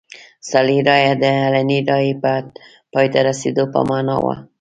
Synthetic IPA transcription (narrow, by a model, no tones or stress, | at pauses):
saliɾɑjad̪əalaniɾɑjipa | pɑjt̪aɾasid̪opa̰manɑ̰wa̰